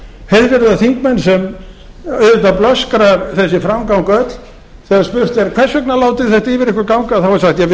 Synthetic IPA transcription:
heðvɛɾðaθiŋkmɛnsɛm | œɥðɪt̪aplœskɾaθɛs̬ːɪfɾamkawŋkœt̪l̥ | θɛːɣaspʏɾ̥r̥t̪ɛɾkʰɛr̥sœknalaːwt̪ɪ̥θɛht̪aivɪɾɪhkvʏɾkawŋkaθawvaɾ̥saxt̪jɛ

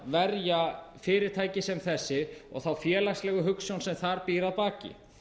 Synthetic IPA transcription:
vɛɾjafɪːɾɪɾ̥t̪ʰaːjcɪsɛmθɛsːɪɔ̰ɣθawfjɛːlakslɛːɣʏɦʏksɔwnsɛmθaɾpiːɾaðpaːcɪ̰

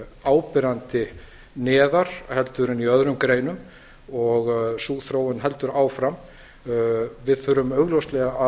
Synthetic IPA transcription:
aːwpɪɾant̪ɪ | nɛːðaɾ̥hɛlt̪ʏɾɪniœðɾʏmkɾeːjnʏm | ɔɣsuːɣθɾoːwʏnɦɛl̪t̪ʏɾaːwfɾam | vɪðθʏɾʏmœɣlowst̪lɛɣaʔa

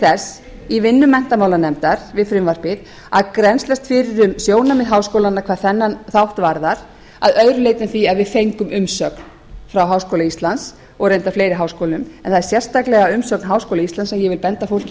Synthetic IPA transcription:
θɛs | ivɪnːʏmːɛn̥t̪amawlanɛmt̪aɾ̥vɪðfɾɪmvar̥pɪɾ | aðkɾɛnslɛst̪fɪɾɪɾʏmsjoːwnamɪðɦaːwskowlanːakʰvaːɾ̥θɛnːanθawht̪vaɾðaɾ̥ | aðœɥɾʏlejt̪ɪmθiaðvɪðfejŋkʏmʏmsœkn | fɾawɦawskowlaist̪lans | ɔɣɾrejnt̪afleːjɾɪɦawskoːwlʏmɛnθaðɛɾ̥sjɛr̥st̪aklɛɣaʏmsœknɦaːwskowlaist̪lansɛmjɛvɪlpɛnt̪afowl̥c

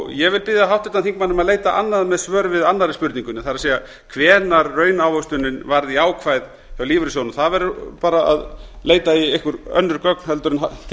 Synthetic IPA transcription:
jɛvɪlpɪðjaɦawht̪ɪt̪anθiŋkmanːʏmaðleːjt̪aʔanːaðmɛðsvœːɾvɪðanːaɾɪspʏɾt̪niŋkʏnɪθaɾaðseːja | kʰvɛːnaɾːœːɥnawhœst̪ʏnːɪnvaɾðiaːwkʰvajð | çjawliːvʏɾɪsjownʏmθaðvɛɾʏpaːɾaa̰ðleːjt̪aiehkʏɾœ̰nːʏɾkœknhɛlt̪ʏɾɪnat̪ʰ

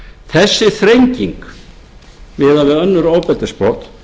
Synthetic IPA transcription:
θɛsːɪθɾejɲciŋk | vɪːðavɪðœnːʏɾoːwpɛt̪ɪ̥spot̪

